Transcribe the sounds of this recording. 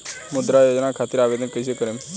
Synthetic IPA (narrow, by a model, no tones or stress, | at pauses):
mʊd̪ɾajod͡ʒnakʰat̪iɾaʋed̪ənkəsekəɾem